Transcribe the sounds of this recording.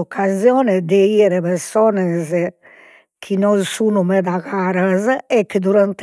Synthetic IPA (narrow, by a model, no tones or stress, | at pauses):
ɔkʰːazjɔːnɛd̪ɛiɛɾɛpɛɾsɔːnɛz | kʰinɔnsuːnumɛd̪aɣaːɾazɛkːəd̪uɾant̪